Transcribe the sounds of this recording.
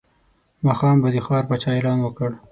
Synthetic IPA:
mɑxɑmbad̪ixɑɾpat͡ʃɑelɑnwəkəɽ

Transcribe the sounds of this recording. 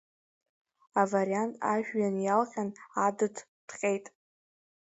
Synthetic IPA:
avaɾiantʼa̰ʒᶣːanjalχʲanadɨtʰ | d̥ʰχʲʼe̞jtʼ

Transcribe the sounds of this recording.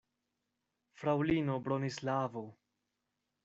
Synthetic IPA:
fɾawlino̞bɾonislavo

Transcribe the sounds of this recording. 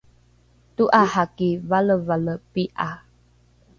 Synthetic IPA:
tuʔahakivaləvaləpiʔa

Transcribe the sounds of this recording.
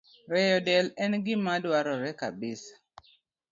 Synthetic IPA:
ɾɛjɔdɛlɛnɡɪmadwaɾɔɾɛka̰bɪsḁ

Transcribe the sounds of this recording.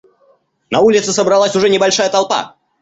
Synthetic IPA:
nɐulʲɪt̪sɨsəbɾɐlˠasʲʊʐɛnʲɪbɐlʲʂajət̪ɐlˠpa̰

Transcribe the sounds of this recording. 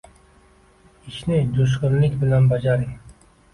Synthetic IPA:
iʃnɪd͡ʒoʃ̬qʲʊnlɪkʲbɪlanbad͡ʒaɾɪŋ

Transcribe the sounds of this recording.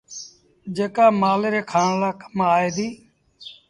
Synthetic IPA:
d͡ʒeːkaːmaːleːɾeːkʰaːɳlaːkəmaːeːd̪iː

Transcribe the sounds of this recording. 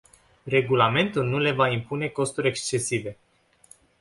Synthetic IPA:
re̞ɡulame̞nt̪ulnule̞vaimpune̞ko̞st̪uɾʲe̞kst͡ʃe̞sive̞

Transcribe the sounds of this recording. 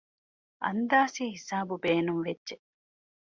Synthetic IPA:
ʔɐ̰nd̪aːsiːhisaːbubeːnumʋedːʒe

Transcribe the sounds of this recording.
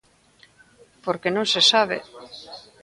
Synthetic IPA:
poɾkenõŋsesaβ̞ḛ

